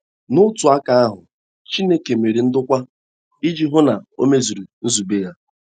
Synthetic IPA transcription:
nʊ˦tʊ˨a˦ka˦a˦ɦʊ˨ | t͡ʃi˦ne˦ke˨me˨ɾi˨n̩˦dʊ˦kʷa˦ | i˦d͡ʒi˦ɦʊ˦na˨o˦me˦zu˨ɾu˨n̩˦zu˨be˦ja˦

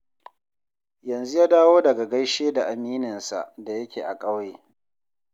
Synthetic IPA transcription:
jɐ˨nzu˦jaː˦daː˦woː˦dɐ˨ɡa˨ɡɐ˦jʃeː˦da˨ʔa˨miː˦nɪ˨nsa̰˨ʔda˨jɐ˦kʲeː˨ʔa˨kʼɐ˦wjeː˨

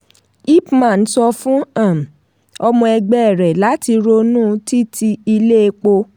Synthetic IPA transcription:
i˦˨pmã˦˨n̩˦sɔ˧fũ˦ã˦˨m˨ | ɔ˧mɔ̃˧ɛ˧ɡ͡bɛ˦˨ɛ˨ɾɛ˨la˨˦ti˧ɾo˧nũː˦ti˦tʰi˧i˧le˦e˧k͡po˧

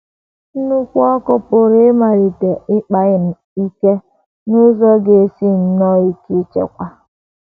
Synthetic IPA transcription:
n̩˦nu˦kʷu˦ɔ˦kʊ˦pʊ˨ɾɪ˦ma˨ɾi˨te˨ɪ˦k͡pa˨ɣɪ˨n̩˨ | i˦ke˦ | nʊ˦zɔ˦ɡe˨si˦n̩˦nɔ˦i˦ki˦t͡ʃḛ˨kʷa˦

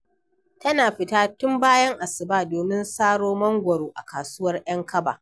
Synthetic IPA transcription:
tɐ˦naː˨ɸɪ˨taː˦tʊ˦mbaː˦jɐ˦ŋʔa˨sɪ˨baː˦doː˨mɪ˦nsaː˦ɽoː˦mɐ˦ŋɡʷɐ˨ɽoː˨ʔa˨kaː˨sʊː˦wɐ˦rʔɐ˦ŋkɐ˦ba̰ː˨

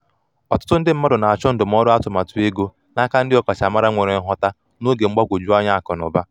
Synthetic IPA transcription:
ɔ˨tʊ̥˦tʊ˦n̩˦dɪ˦m̩˦ma˦dʊ˨na˨a˨t͡ʃɔ˦n̩˦dʊ˨m̩˦ɔ˦ɾʊ˦a˦tʊ˨ma˨tu˨e˦ɡo˦ | na˦ka˦n̩˦dɪ˦ɔ˦ka˨t͡ʃa˨ma˦ɾa˦ŋʷe˨ɾe˨˦ɦɔ˦ta˦ | no˦ɡe˨ŋ͡m̩˦ɡ͡ba˦ɡʷo˨d͡ʒu˦a˦ɲa˦a˨kɔ˨nʊ̰˨ba˦

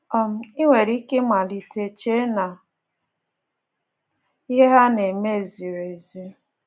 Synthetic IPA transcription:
ɔ˦˨m̩˨˦i˦ŋʷe˨ɾi˦ke˦ma˨li˨te˨t͡ʃe˦na˨ | i˦ɦe˦ɦa˦ne˨me˦˨zi˨ɾe˨zi˦

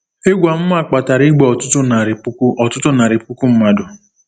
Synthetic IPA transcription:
e˦ɡʷa˨m̩˦ma˦˨k͡pa˨ta˨ɾɪ˦ɡ͡bɔ˨ɔ˨tʊ˦tʊ˦na˨ɾɪ˨˦ɔ˨tʊ˦tʊ˦na˨ɾɪ˨pu˦ku˦m̩˦ma˦dʊ˨

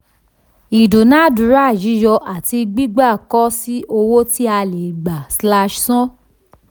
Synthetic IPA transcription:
i˨do˨nã˦du˨˦ɾa˦˨d͡ʒi˨˦jɔ˧ʔa˨ti˧ɡ͡bi˦ɡ͡ba˦˨kɔ˦si˦ʔo˧wo˦ti˦a˧le˨ɡ͡ba˨sla˧ʃsɔ̃˦

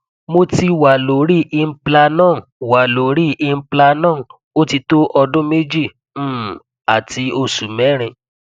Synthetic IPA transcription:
mo˧ti˧wa˨lo˨˦ɾi˦ʔi˧m̩˦pla˧nãː˦˨wa˨lo˨ɾi˦i˧m̩˦pla˧nãː˦˨ | o˦ti˧to˦ʔɔ˧dũ˦me˦d͡ʒĩ˦˨˦ | a˨ti˨˦o˧su˨mɛ˨˦ɾ̃ĩ˧

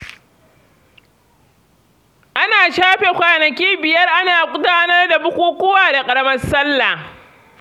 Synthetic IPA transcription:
ʔa˦naː˨ʃaː˦ɸe˨kʷaː˨nɐ˨kʲiː˦bɪ˨jɐ˦rʔa˦naː˨kʷʼʊ˦taː˦nɐ˦rda˨bʊ˦kʷuː˦kʷʊ˦waː˨da˨kʼɐ˨ɾɐ˦mɐ˦rsɐ˦lːa˨

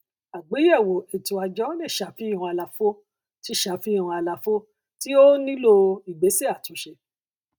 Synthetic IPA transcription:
a˨ɡ͡be˨˦ɛ˦˨wo˨e˨tũ˨a˧d͡ʒɔ˨˦le˦˨ʃa˨fi˦˨ɾɔ̃˧a˧la˨fo˦ | ti˦ʃa˨˦fi˦i˦˨ã˧a˧la˨fo˦ | ti˦o˦nĩ˦lo˧i˨ɡ͡be˨˦se˦a˦˨tũ˨˦ʃe˧

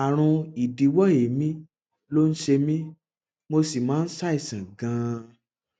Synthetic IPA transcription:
a˨ɾ̃ũ˧i˨di˨wɔ˦˨e˨˦mĩ˦ | lo˦n̩˦ʃe˧mĩ˦ | mo˧si˨mãː˨˦n̩˦sa˦i˦˨sĩ˨ɡã˧

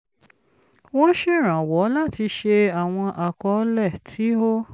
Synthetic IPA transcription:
wo˦ʃe˦˨ɾ̃ã˨wɔ˨˦la˦˨ti˧ʃe˧a˨w̃ɔ̃˧ʔa˨kɔ˨˦lɛ˦˨tʰi˨˦o˦

